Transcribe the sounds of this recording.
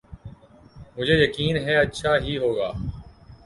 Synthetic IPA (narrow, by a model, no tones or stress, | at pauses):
mʊd͡ʒʱeːjəkiːnɦɛːətːʃʰaːɦiːɦoːɡaː